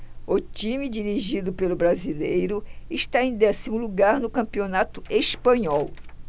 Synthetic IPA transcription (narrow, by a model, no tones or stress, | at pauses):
ʊt͡ʃĩmid͡ʒiɾiʒid̪ʊpelʊbɾazilejɾʊɪʃt̪aẽj̃d̪ɛsimʊluɡaɾnʊkɐ̃pionat̪ʊʔespɐ̃ɲɔw